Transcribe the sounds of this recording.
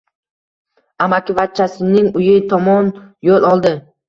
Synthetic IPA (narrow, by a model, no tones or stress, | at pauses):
amakʲɪvat̪̚t͡ʃʰːasɪnɪŋʊjɪt̪ʰɒmɒnjolˠʔɒlˠd̪ɪ